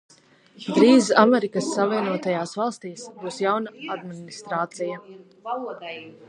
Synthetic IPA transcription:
d̪ɾiːzamɛɾikəsːaviɛnuɔt̪ajaːsvɑlˠst̪iːsbuːsjawnaad̪minist̪ɾaːt̪sija

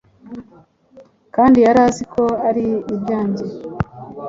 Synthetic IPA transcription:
kaːndijaɾaːzikʰo̞aɾiːbɟaːɲɟe

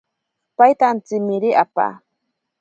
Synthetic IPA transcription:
pajt̪ant͡simiɾiʔapa̰

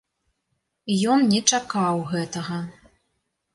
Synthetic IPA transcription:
jɔnnʲɛt͡ʂakawɣɛt̪ɐɣɐ

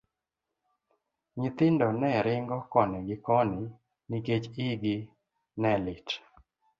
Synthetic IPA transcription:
ɲɪt̪ɪndɔnɛɾɪŋɡɔkɔnɛɡɪkɔnɪ | niket͡ʃɪɡɪ | nɛlɪt͡ʃ

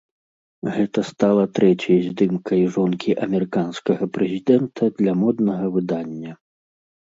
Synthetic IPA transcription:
ɣɛt̪ɐst̪alˠɐt̪ɾɛt͡sʲjɐzʲd̪ɨmkʰɐjʐɔnkʲiʔɐmʲɛɾɨkanskɐɣɐpɾɛzʲid̪ɛnt̪ʰɐd̪lʲɐmɔd̪nɐɣɐvɨd̪anʲːɐ

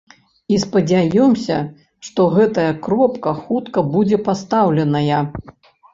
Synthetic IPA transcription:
ispɐd͡zʲajɔmsʲɐ̰ | ʂt̪ɔɣɛt̪ɐjɐkɾɔpkɐxut̪kɐbud͡zʲɛpast̪awlʲɛnɐjɐ

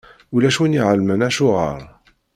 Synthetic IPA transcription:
ulæʃwiniʕəlmənæʃʊʁə̰ɾˤ

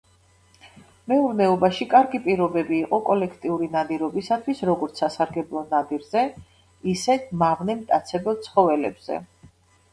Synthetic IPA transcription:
mɛuɾnɛɔbaʃikʼaɾɡipʼiɾɔbɛbiːqʼɔkʼɔlɛkʰt̪ʼiuɾinad̪iɾɔbisat̪ʰwisɾɔɡɔɾt̪sʰasaɾɡɛblˠɔnad̪iɾzɛ | isɛmaʁnɛmt̪ʼat̪sʰɛbɛlˠt̪sʰχɔvɛlɛ̰bz̥ɛ̰

